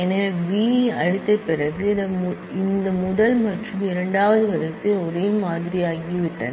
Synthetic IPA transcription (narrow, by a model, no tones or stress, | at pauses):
ɛnɐʋiːɐɻɯt̪ːɐpːɪrɐɣɯɐ | ɪnd̪ɐmʊðɐlmɐʈrɯmɪɾɐɳɖaːʋɐðɯʋɐɾɐsːɯɔɾeːlmaːðɪɾijaːɣiʋɪʈːɐ̰n